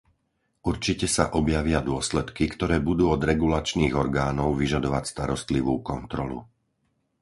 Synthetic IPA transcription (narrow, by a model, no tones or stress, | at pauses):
uɾt͡ʃicɛsa̰ʔɔbjaʋɪad̪ʊɔslɛt̪kikt̪ɔɾɛːbud̪uːɔd̪ɾɛɡulat͡ʃniːɣɔɾɡaːnɔʊʋiʒad̪ɔʋacst̪aɾɔst̪liʋuːkɔnt̪ɾɔlṵ